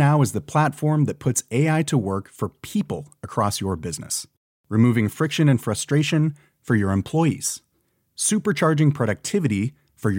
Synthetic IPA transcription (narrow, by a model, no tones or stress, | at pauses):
aʊɨzðɨpʰl̥ætfɔɹmðɨt̚pʰʊtseɪaɪɾəwɜ˞kfə˞pʰipl̩ˠəkʰɹ̥ɔsjə˞bɪznɨ̰s | ɹɨmuvɪ̃ŋfɹɪkʃɨ̃nɨ̃nfɹʌstɹ̥eɪʃɨ̃n | fə˞jə˞ɨ̃mpʰl̥ɔɪḭz̥ | sʉpə˞t͡ʃʰɑɹd͡ʒɪ̃ŋpʰɹ̥ɑɾɨk̚tʰɪvɨɾi | fə˞j